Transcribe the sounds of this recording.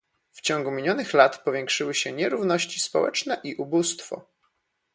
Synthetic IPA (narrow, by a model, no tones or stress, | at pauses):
ft͡ɕɔŋɡumʲiɲɔnɘxlat̪pɔvʲjɛŋkʂɘwɘɕɛɲɛɾuvnɔɕt͡ɕispɔwɛ̰t͡ʂn̪ɛʔiʔubust̪fɔ̰